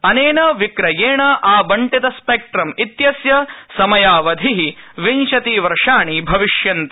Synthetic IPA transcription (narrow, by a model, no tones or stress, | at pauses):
ɐneːnɐʋikɾɐjeːɳɐʔaːbɐɳʈit̪ɐspeːk̚ʈɾɐmit̪jɐsjɐsɐmɐjaːʋɐd̪ʱiɦiʋiɲt͡ʃɐt̪iːʋɐɾʂaːɳibʱɐʋiʂjɐnt̪ɐ